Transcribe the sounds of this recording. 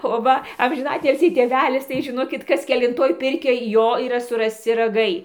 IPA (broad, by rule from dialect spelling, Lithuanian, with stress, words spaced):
oː ˈʋɐ ɐmʲʒʲɪˈnɑːtʲɪlʲsʲiː tʲeːˈʋʲæːlʲɪs tɐɪ ʒʲɪˈnoːkʲɪt ˈkɐs kʲɛlʲɪnˈtoːj ˈpʲɪrʲkʲoːj ˈjoː iːˈrɐ sʊrɐsʲˈt͡sʲɪ rɐˈɡɐɪ